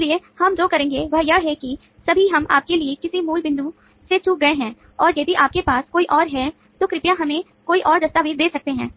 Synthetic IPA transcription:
liehɐmd͡ʒoːkɐɾẽːŋɡebʱɐɦjaɦɛki | sɐbʱiɦɐmʔa̰ːp̚keliekɪsimuːlbɪ̃nd̪u | set͡ʃuːk̚ɡɐeɦɛ̃ː | ɔːɾjɐd̪iʔaːp̚kepaːskoːiʔɔːɾɦɛ | t̪okɾɪpjãɦɐmẽ | koːiʔɔːɾd̪ɐst̪abʱid̪eːsɐk̚t̪eɦɛ̃ː

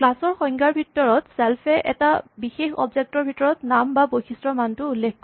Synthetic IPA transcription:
klasɔɹxɔŋɡaɹbʱitːɔɹɔtsɛlpʰɛʔɛ̰tabixexɔ̰bzek̚tɔɹbʱitɔɹɔtnambabojxisɹɔmantʊulːekʰː

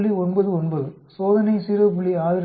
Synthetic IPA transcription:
ɭiɔnbɐðɯɔnbɐðɯ | soːðɐnɐɪsiːɾɐpʊɭiaːðɪɾ

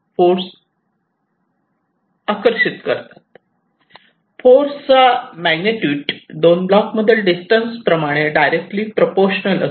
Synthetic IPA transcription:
foɾs | akəɾɕit̪kəɾt̪at̪̚ | foɾst͡samæɡneʈjuːʈdonblakməd̪ʱːjəlɖisʈənspɾəmaɽ̃eɖajɾek̚ʈliːpɾəpoɾɕnələ̰

